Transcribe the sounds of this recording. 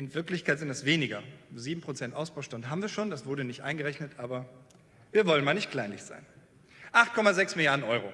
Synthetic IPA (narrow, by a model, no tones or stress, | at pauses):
ʔɪnvɪɐklɪçkʰaɪtz̥ɪntdasv̥eːnɪɡɐziːbm̩pʁ̥ot͡sɛntʔaʊsb̥aʊʃtʊntɦaːbm̩viːɐʃoːndasv̥ʊɐdənɪçtʔa̰ɪnɡəʁɛçnətʔaːbɐ | viːɐvɔlənmaːlnɪçtkl̥aɪnlɪçz̥a̰ɪn | ʔaχtkʰɔmazɛksmɪljaɐdn̩ʔɔʏʁ̞oː